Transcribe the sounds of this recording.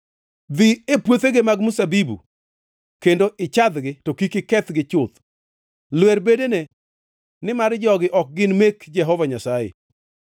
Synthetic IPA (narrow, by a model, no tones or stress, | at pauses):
d̪iepwot̪eɡɪmaɡmʊsabibṵ | kendoʔɪt͡ʃad̪ɡɪtokikɪkɛt̪ɡɪt͡ʃʊt̪ | lwɛɾbedene | nɪmaɾd͡ʒɔɡɪʔɔk̚ɡɪnmekd͡ʒɛɦɔvaɲasajḛ